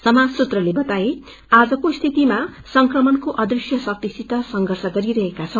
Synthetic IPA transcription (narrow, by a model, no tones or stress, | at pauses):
sʌmad͡zsut̪rʌlebʌt̪ae | ad͡zʌkost̪ʰit̪ima | sʌŋkrʌmʌnkoʔʌd̪risjʌsʌk̚t̪isit̪ʌsʌŋɡʌrsʌɡʌɾiɾʌɦekat͡sʰʌ